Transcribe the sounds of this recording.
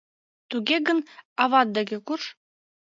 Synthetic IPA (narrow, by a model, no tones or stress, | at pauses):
t̪uɡʲeɡɤ̆nɑβɑt̪̚d̪eɡʲekuʃ